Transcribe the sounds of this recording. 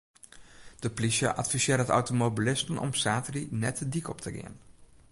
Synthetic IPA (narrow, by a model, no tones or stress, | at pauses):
d̥əplisjə̰ʔatfisɪːɾəəta̰wtomobilɪstənʔɔ̰msaːtərinɛtʰədikɔptʰəɡɪ̰ən